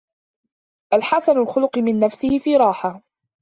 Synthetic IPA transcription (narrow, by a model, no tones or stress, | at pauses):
ʔalħasanalxʊlʊqɨmɪnːafsɪhɪfiːɾˤɑːħa